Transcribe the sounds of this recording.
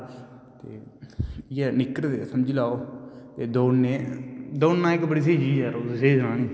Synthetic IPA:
t̪ḛː | ɪɛːnɪkɾd̪ḛsəmd͡ʒilaːoːt̪eːd̪oːneːd̪oːnːãːɪkbəɽiːs̬eːd͡ʒiːd͡ʒɛːɾoːsseːd͡ʒnãːnĩː

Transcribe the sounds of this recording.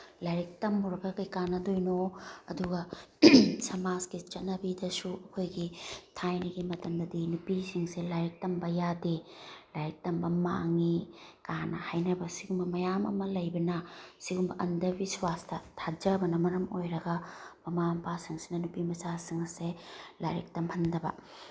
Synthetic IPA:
laɾik̚tɐmːuɾɐɡɐkɐjkanːɐdojnoɐduɡɐ | sɐmaskit͡ʃɐnɐbidɐsuʔɐkʰojɡitʰajniɡimɐtɐmd̪ɐdinupisiŋselajɾik̚tɐmbɐjadilajɾik̚tɐmbɐma̰ŋikanɐhajnɐbɐsiɡumbɐmɐjamɐ̰mɐlɐjbɐnɐsiɡumbɐʔɐndɐbiswastɐtʰad͡ʒɐbɐnɐmɐɾɐmojɾɐɡɐbɐmampasiŋsinɐnupimɐsasiŋɐselaɾik̚tɐmhɐndɐbɐ̰

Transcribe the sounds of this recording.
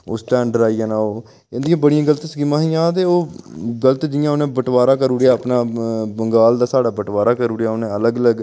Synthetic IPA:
oːsʈɛ̃ːɳɖəɾaːijãːnaːoː | ẽnd̪ɪjãːbəɽɪjãːɡələt̪skɪmãːɦijãːt̪̬eːoːɡələt̪d͡ʒ̪ɪjãːonẽːbəʈʋaːɾaːkəɾuːɾejaːəpnaːbəŋɡaːld̪aːsaːɽaːbəʈʋaːɾaːkəɾuːɾjaːonẽːələɡələɡ

